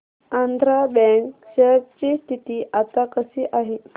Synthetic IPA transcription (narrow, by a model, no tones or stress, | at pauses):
ãnd̪ʱɾabɛ̃ŋkɕeɾ̚t͡ɕist̪ʰit̪iːʔat̪akəsiːʔaɦe